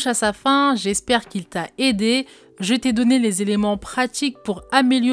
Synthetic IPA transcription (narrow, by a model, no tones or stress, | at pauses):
ʃasafɛ̃ʒɛspɛʁkʲilt̪aed̪e | ʒət̪ɛd̪ɔnelezelemɑ̃pχat̪ik̚puʁameljɔ